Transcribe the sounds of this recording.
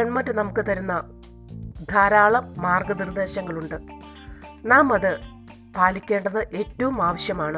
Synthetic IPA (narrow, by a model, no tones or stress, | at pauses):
eɳmɐtːɨnɐmukːɨt̪ɐɾunːɐ | d̪ʱaːɾaːɭɐmːaːrɡɐnird̪e̞ːɕɐŋːɐɭuɳɖɨ | naːmɐðɨ | paːlikʲːe̞ːɳɖɐðɨʔe̞ːtːɐʋumaːʋɐɕjɐmaːɳɨ